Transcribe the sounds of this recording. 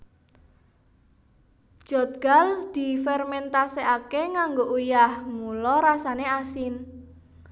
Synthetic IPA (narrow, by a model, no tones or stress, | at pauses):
d̥ʒ̥ɔ̤t̪̚ɡ̥a̤ld̪̥i̤fɛrmɛnt̪aseakeŋaŋɡoʔujahmulɔɾasaneasɪn